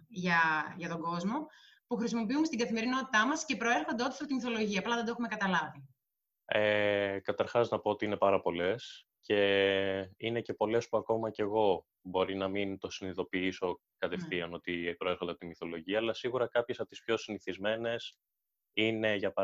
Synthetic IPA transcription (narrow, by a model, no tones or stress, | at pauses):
ʝɐʝɐt̪o̞ɡo̞zmo̞ | puxɾisimopiume̞st̪iɡɐθime̞ɾino̞t̪i̥t̪ɐmɐsce̞pɾo̞e̞ɾxo̞nd̪eo̞t̪i̥sɐpot̪imiθo̞lo̞ʝiɐːplɐðend̪oexume̞kɐt̪ɐlɐvi | ekɐt̪ɐɾxɐznɐpo̞ot̪iine̞pɐɾɐpo̞le̞s | ce̞ | inece̞po̞le̞spuɐko̞mɐce̞ɣo̞ | bo̞ɾinɐmint̪o̞siniðo̞piiso̞ | kɐt̪e̞fθiɐno̞t̪ipɾo̞eɾxod̪eɐpot̪imiθo̞lo̞ʝiɐːlɐsiɣuɾɐkɐpçe̞sɐpot̪ispço̞siniθizme̞ne̞s | ine̞ʝɐpɐ